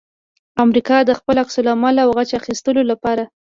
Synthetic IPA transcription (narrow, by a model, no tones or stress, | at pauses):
amɾikɑd̪əxpəlaksʊlamalawɣat͡ʃaxist̪əlolapɑɾa